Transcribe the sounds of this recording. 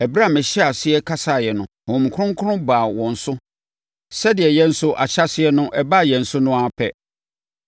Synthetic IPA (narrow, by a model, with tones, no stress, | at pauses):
ɛ˨bɾa˦˨mɪ̃˨ɕi˦a˨sɪ˦ɛ˦kʰa˦sa˨jɛ˨nʊ̃˨hɔ̃˨m̩˨kʰʊ˦ʊ̃˦ŋ˦kʰʊ˦ɾʊ̃˦baː˨wɔ̃˨n̩˨sʊ˦ | sɛ˦dɪ˨ɛ˨jɛ˦n̩˦sʊ˦ʔa̰˨ɕa˦sɪ˦ɛ˦nʊ̃˦ʔɛ˦ba˦˨jɛ˨n̩˨sʊ˦nʊ̃˦a˨pʰɛ̰˦